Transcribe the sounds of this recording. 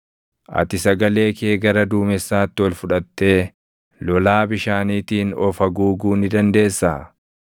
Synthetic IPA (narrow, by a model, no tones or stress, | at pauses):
ʔɐ̰t̪ɪsɐɡɐle̞ːkeːɡɐɾɐd̪uːmɛsːaːt̪ːɪwɐlfʊᶑɐt̪ːe̞ː | lɔlaːbɪʃaːniːt̪iːnɔfɐɡuːɡuːnɪd̪ɐnd̪e̞ːsːa